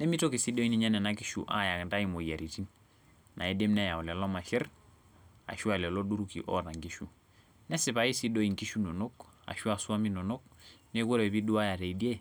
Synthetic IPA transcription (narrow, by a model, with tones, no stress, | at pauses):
nɛ˦mi˦to˦ki˨si˦do˦i˦ni˦ɲa˦nɛ˨na˦ki˦ʃṵ˨ʔa̰˦ja˨knda˦i˨mo˨ja˨ɾi˨ti˦n | nʔa̰˨i˦de˦mnɛ˦ja˨u˨lɛ˨lɔ˦ma˨ʃɛ˦ɾ | a̰˨ʃu˦a˦˨lɛ˨lo˦du˦ɾukḭ˨ʔɔ˦ta˨ŋɡi˦ʃu˦ | nɛ˦sɪ˨pa˨i˦si˦do˦i˨ŋki˦ʃu˦no˨no˦ka̰˨ʃu˦a˨su˦a˦mi˦no˨no˦k̚ne˦ko˦ɾe˨bi˦du˦a˦ja˨te˨i˨di˦e˦